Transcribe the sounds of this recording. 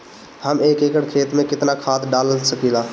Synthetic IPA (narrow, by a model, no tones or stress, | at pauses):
həmeːkeːkəɽkʰeːt̪mẽkɪt̪nakʰaːt̪ʰɖaːləlsəkilaː